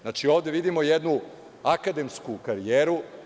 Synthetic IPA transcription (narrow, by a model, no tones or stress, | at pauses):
zat͡ʂio̞ːʋd̪eʋid̪imo̞jed̪nu | akad̪e̞mskukaɾijeːɾu